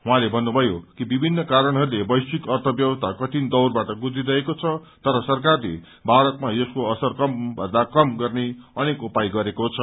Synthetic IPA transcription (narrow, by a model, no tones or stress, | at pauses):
ɦũãlebʱʌnːubʱʌjokibibʱinːʌkaɾʌɽ̃ɦʌɾulebʌjsikʌrt̪ʰʌbjʌwʌst̪ʰakʌʈ̪ʰind̪ʌwrbaʈʌɡud͡zidʌekot͡sʰʌ | t̪ʌɾʌsʌrkarlḛ | baɽʌt̪majʌskoʌsʌrkʌmbʱʌnd̪akʌmɡʌrneʌnekopajɡʌɾekot͡sʰʌ